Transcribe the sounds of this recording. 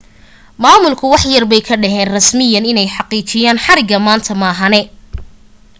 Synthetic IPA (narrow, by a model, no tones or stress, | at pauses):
maːmʊlkʰʊwɑħjɐrbɛjkʰɐɖɐɦɛːnrɐsmɪjɐnɪnɛjħɑqiːt͡ʃɪjaːnħɑɾɪɡɐmaːnt̪ʰɐmaːɦɐnɛ